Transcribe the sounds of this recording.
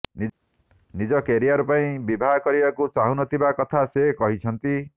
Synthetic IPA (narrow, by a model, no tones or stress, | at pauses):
ni | nid͡ʒɔkeɾijaɾpaĩbibʱakɔɾibakut͡ʃaɦunɔt̪ʰibakɔt̪ʰasekɔɦit͡ʃʰʌnt̪i